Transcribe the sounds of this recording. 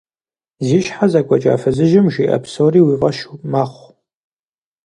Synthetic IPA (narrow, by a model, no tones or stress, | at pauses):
ziːʃħazaɡʷʼɔt͡ʃʼa̰ːfɐzɨʒɪmʒiːʔɐ̰psoːriːwiːʁɐʃumaχʷ